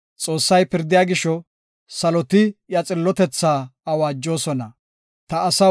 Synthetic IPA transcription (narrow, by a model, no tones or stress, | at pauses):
t͡sʼo̞ːsːɐjpɪɾd̪ɪjaːɡɪʃɔ | sɐlɔt̪ɪjɐt͡sʼɪlːɔt̪ɛt͡sːaːɐwaːd͡ʒːo̞ːsɔnɐ | t̪ɐːsɐ